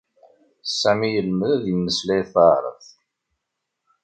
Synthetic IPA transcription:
sːæmijəlməðæðjəmːəslæjθɑɾˤə̰θ

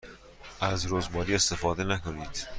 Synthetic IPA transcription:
ʔæzɾozbɒːɾiːe̞st̪efɒːd̪enækʰoniːd̪̥

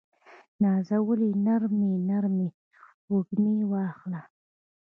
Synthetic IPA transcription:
nɑzawəlinaɾminaɾmi | uɡniwɑxla

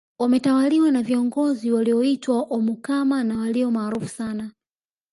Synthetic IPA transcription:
wamɛtawaliwanaviɔŋɡɔziwaliɔitwaʔɔmukamanawaliɔmaːɾufu̥sana

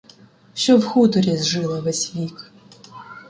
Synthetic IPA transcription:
ʃt͡ʃɔwxut̪ɔɾʲizʒɪlˠɐʋɛsʲʋʲik

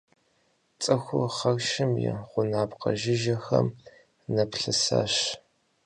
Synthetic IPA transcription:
t͡sʼɐxʷʊχɐrʃɪmjɛ̰ʁʷʊnaːpqɐ̰ʒɪʒɐxɐm | nɐpɬɨsa̰ːɕ

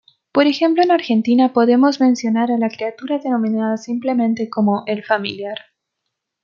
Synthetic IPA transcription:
po̞ɾe̞xe̞mplo̞enaɾxe̞nt̪inapo̞ðe̞mo̞zmẽ̞nsjo̞naɾalakɾeat̪uɾaðe̞no̞mĩnaðasimple̞mẽ̞nt̪e̞ko̞mo̞ʔe̞lfamḭljaɾ

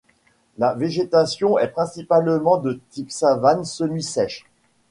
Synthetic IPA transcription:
laveʒet̪asjɔ̃ɛpχɛ̃sipalmɑ̃d̪ət̪ipsavansənɥisɛʃ

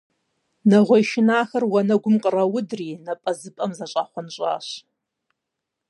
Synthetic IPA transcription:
nɐʁʷɔjʃɪnaːxɐrwɐnɐɡʷʊmqʼərɐwʊdriːnɐpʼɐzɨpʼɐmzaɕʼaχʷanɕʷʼa̰ːɕ

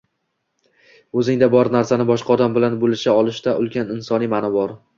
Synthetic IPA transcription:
ɵzɪŋd̪abɒɾnaɾsanɪbɒʃqʰɑɒd̪ambɪlanbolɪʃaɒlˠɪʃt̪aʔʊlˠkʲʰanɪnsɒnijmanɒbɒɾ

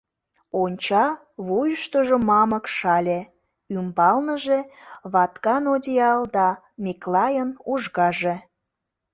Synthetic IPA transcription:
onʲt͡ɕɑ | βojəʃt̪oʒomɑməkʃɑlʲe | ymbɑlnəʒeβɑt̪kɑnodʲiɑld̪ɑ | mʲiklɑjənuʒɣɑʒe

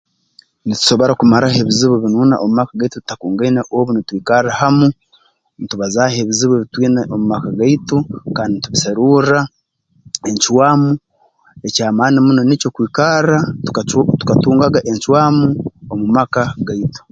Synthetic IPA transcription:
nitu̥so̞βo̞ɾakumaɾahe̞βiziβoβinuːna̰ʔomumakaɡaituttakuːŋɡainaʔoβunitwiːkarahamu | nituβazahe̞βiziβeβitwiːneʔomumakaɡaitukaːndinituβisaɾuɾa | e̞ɲt͡ʃwaːmu | e̞caːmaːnimunonicokwiːkara | tu̥katuːŋɡaɡaʔe̞ɲt͡ʃwaːmuomumakaɡaitu̥

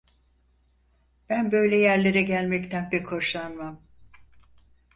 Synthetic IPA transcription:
b̥ænbø̞jlʲɛjæɾlʲeɾɛɟælʲmɛct̪ʰænbɛkʰo̞ʃlˠanmam

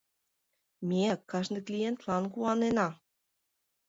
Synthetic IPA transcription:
mʲeækːɑʃnɤ̆klijent̪lɑnkuɑnenɑ

